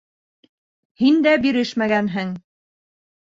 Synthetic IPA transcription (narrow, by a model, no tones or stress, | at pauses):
hind̪æbiɾɘʃmæɡænɦɘŋ